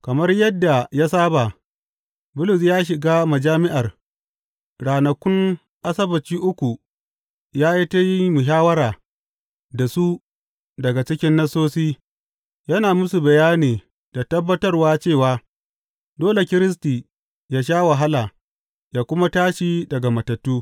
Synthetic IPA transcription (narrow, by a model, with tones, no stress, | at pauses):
kɐ˨mɐ˦rjɐ˦dːa˨ja˦saː˦ba˨ | bʊ˦lʊ˨s̬jaː˦ʃ̬ɪ˨ɡaː˦mɐ˨d͡ʒaː˦mɪ˦ʔa˨r | ɽaː˨nɐ˨kʷʊ˦ŋ | ʔa˦sɐ˦bɐ˨t͡ʃiː˦ʔʊ˦kʷu˨ | jaː˦ji˦ta˦ji˦mʊ˨ʃ̬aː˦wɐ˦ɾaː˨ | da˨su˦ | dɐ˨ɡa˨t͡ʃɪ˦kʲɪ˦nːɐ˦sːoː˦siː˦ | jɐ˦naː˨mʊ˦su˨bɐ˨jaː˦niː˨ | d̥a˨tɐ˦bːɐ˦tɐ˦rwaː˦t͡ʃeː˦˨waː˦ | doː˦le˨kʲɪ˦ɾɪ˦s̬tiː˨ | jaː˦ʃ̬aː˦wa˨ɦa˦laː˨ | jaː˦kʷʊ˦ma˦taː˦ʃi˨dɐ˨ɡa˨mɐ˨tɐ˨tːuː˦